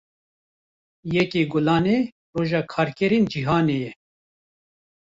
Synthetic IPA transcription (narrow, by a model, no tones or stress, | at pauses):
jɛkeːɡʊlɑːneː | roːʒɑːkʰɑːɾkɛɾiːnd͡ʒiɦɑːneːjɛ